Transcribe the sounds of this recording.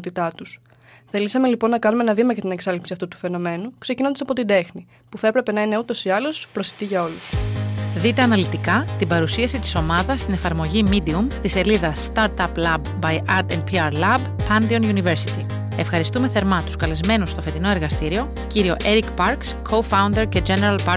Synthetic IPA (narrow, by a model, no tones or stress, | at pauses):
t̪it̪ɐt̪us | θe̞lisɐme̞lipo̞nːɐkɐnumeenɐvimɐʝɐt̪ineksɐlipsiɐft̪ut̪u̥fe̞no̞me̞nukse̞cinod̪ɐsɐpot̪id̪e̞xni | puθɐe̞pɾe̞pe̞nɐineut̪o̞siɐlo̞spɾo̞sit̪iʝɐo̞lusðit̪e̞ɐnɐlit̪ikɐt̪ibɐɾusiɐsit̪i̥so̞mɐðɐst̪ine̞fɐɾmo̞ʝimid̪iumt̪ise̞liðɐst̪ɐɾt̪ɐplɐbːɐjʔɐɾd̪enpʰiɐɾlɐbpɐnd̪ionunive̞ɾsit̪i | e̞fxɐɾist̪ume̞θe̞ɾmɐt̪u̥skɐle̞zme̞nust̪o̞fe̞t̪ino̞e̞ɾɣɐst̪iɾio̞ | ciɾio̞ʔe̞ɾikpɐɾkskʰo̞fɐund̪e̞ɾce̞d͡ʒe̞ne̞ɾɐlpɐ